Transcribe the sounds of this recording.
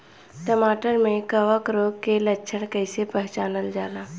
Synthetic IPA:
ʈəmaːʈəɾmẽkɐʋəkɾoːɡkelətːʃʰəɽ̃kəɪsepɛɦt͡ʃaːnəld͡ʒaːnaː

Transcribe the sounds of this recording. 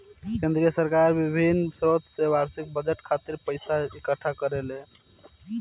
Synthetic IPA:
kẽnd̪ɾijəsəɾkaɾbibʱinsɾot̪sebaɾsik̚bəd͡ʒeʈkʰat̪iɾpəɪsaikəʈʰːakəɾele

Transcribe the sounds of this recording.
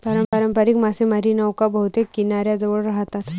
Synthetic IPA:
paɾəmpəɾəmpəɾikmasemaɾinəwkabəɦut̪ekːinaɾjad͡zəʋəɭɾaɦt̪at̪

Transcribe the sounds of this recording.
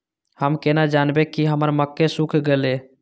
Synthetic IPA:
həmkenad͡ʒanbekiɦəməɾməkːesũkʰɡele

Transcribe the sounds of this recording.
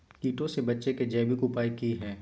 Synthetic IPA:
kiːʈõsebɐtːʃeked͡ʒɛːbikupaːikiɦɛ̃ː

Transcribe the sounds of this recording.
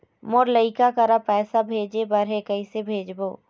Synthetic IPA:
moɾləɪkakɐɾapɛːsabʱeːd͡ʒebɐɾɦekəisebʱeːd͡ʒboː

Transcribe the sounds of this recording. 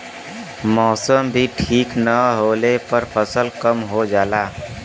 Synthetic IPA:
mɔːsəmbʱiʈʰiːknəɦoːlepəɾpʰəsəlkəmɦod͡ʒaːlaː

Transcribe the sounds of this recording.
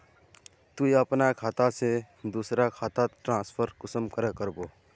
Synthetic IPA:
t̪uiəpnakʰaːt̪ase | d̪uːsɾakʰaːt̪aʈɾãːspʰəɾkʊsəmkəɾekəɾboː

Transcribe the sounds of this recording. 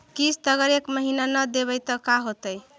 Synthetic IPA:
kist̪ʌɡʌɾekməɦinanʌd̪eβəjt̪ʌkaɦot̪əj

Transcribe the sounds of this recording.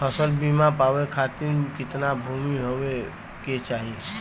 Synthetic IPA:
pʰəsəlbimãpaːʋekʰat̪ɪnkɪt̪nabʱumiɦoʋe | ket͡ʃaːɦie

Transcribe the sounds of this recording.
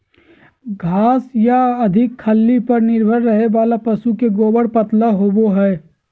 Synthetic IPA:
ɡʱaːsjaɐd̪ʱɪkʰːəlːipɐɾnɪɾbʱəɾːɐɦeʋaːlapɐsukeɡoːbəɽpət̪ləɦoːboɦɛː

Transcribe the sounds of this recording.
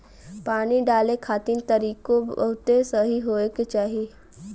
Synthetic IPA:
paːniɖaːlekʰaːt̪int̪əɾiːkõbɐ̰ɦʊt̪esəɦiɦoːeket͡ʃaːɦie

